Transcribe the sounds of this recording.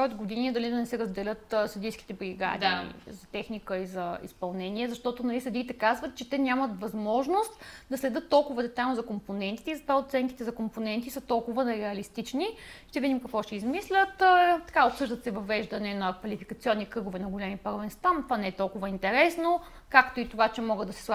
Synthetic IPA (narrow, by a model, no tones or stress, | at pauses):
ɔod̪ɡod̪iniɛd̪ɐlid̪ɐnɛsɛɾəzd̪ɛlʲɤt̪sɐd̪ijskʲi̥t̪ɛbɾiɡa̰d̪ḭzɐt̪ɛxnikəizɐḭspɐlˠnɛniɛzɐʃt̪ɔt̪onɐlisɐd̪iːt̪ɛkazvət̪t͡ʃɛt̪ɛnʲjamət̪vɐzmɔʒnost̪d̪ɐslɛd̪ɤt̪ːɔlˠkʊvəd̪ɛt̪ajlnzɐkomponɛnt̪i̥t̪ɛizɐt̪vaot̪sɛnt̪i̥t̪ɛzɐkomponɛnt̪isət̪ɔlˠkʊvənɛɾɛɐlist̪it͡ʃniʃt̪ɛvid̪imkɐkvɔʃɛizmislʲət̪t̪ːɐ̥kaopsɤʒd̪ət̪sɛvɐvɛʒd̪ɐnɛnɐkvɐlifikət̪siɔnːikɾɤɡovɛnɐɡolʲɛmipəɾvɛnst̪ant̪vanɛɛt̪ɔlˠkʊvəint̪ɛɾɛsno | kakt̪oit̪ovat͡ʃɛmɔɡəd̪ɐsɛ̥slˠa